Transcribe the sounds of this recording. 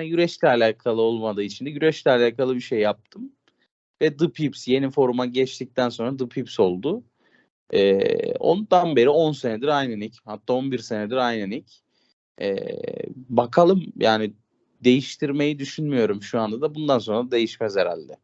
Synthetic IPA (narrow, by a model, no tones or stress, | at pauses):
njyɾɛt͡ʃlʲɛalʲaːkʰalˠɯo̞lˠmad̪ɯːit͡ʃʰind̪ɛjyɾɛt͡ʃlʲɛalʲaːkalˠɯbiʃe̞jːap̚t̪ʰɯm | vɛd̪ɯpʰipsje̞nifo̞ɾumaɟɛt͡ʃt̪ʰic̚t̪ʰænso̞nɾad̪ɯpʰipso̞lˠd̪ʊ | ɛːo̞̰nd̪anbe̞ɾio̞nse̞nɛd̪iɾajnanichat̪ʰːaːo̞nbiɾse̞nɛd̪iɾajnanic | ɛ̰ːbakʰalˠɯmjʔaːni | d̪e̞jiʃt̪ʰiɾme̞jid̪yʃynmyjo̞ɾumʃuand̪ad̪abund̪anso̞nɾaad̪e̞jiʃmæze̞ɾæ̰lʲd̪ɛ